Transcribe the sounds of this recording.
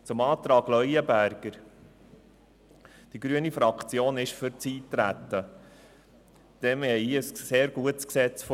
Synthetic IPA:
t͡sʊmɑːt̪ɾɑːɡlœjəbæɾɡ̥əɾ | d̥iɡɾyənifɾɑkʰt͡sjoːnɪʃfʏɾt͡siːtɾæt̪ːə | d̥ɛmɛiəsseːɾɡ̥uətsksɛt͡sf

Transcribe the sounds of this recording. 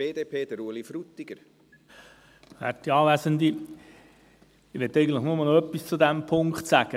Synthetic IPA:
eːd̪eːpʰeːd̥̪əɾuəlifɾut̪ːiɡ̥əɾ | hæ̰tiɑːʋæsənd̪i | ɪʋɛtːɛɪjɡən̩tləχnʊməl̩nœpːist͡sʊd̪æmpʰʊŋkχtsæɡ̥ə

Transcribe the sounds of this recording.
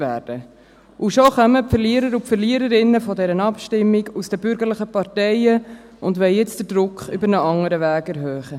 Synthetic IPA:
ʋæ̰ːɾd̥ə | ʔuʃoχœməpfəɾliəɾəɾupfəɾliəɾəɾɪnːəfɔdɛɾənɑpʃtɪmːiɡusd̥ɛbʏɾɡəɾləχəpɑɾtɛɪə | ʊndʋɛlɪt͡sd̥əɾd̥ɾʊkχʏbəɾnəʔɑŋəɾəʋæːɡɛɾɦœːχə

